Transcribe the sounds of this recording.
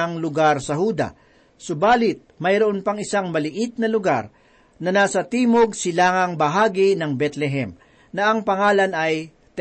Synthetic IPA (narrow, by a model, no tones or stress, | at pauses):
ɐŋlʊɡaɾsɐhuːd̪ɐ̰ | sʊbaːlɪt̪̚mɐjɾoʔonpɐŋɪsaŋmɐlɪʔɪt̪̚nɐlʊɡa̰ɾ | nɐnaːsɐt̪iːmoɡ̚sɪlaːŋɐŋbɐɦaːɡinɐŋbɛt̪lɛɦɛm | nɐʔɐŋpɐŋaːlɐnɐj | t̪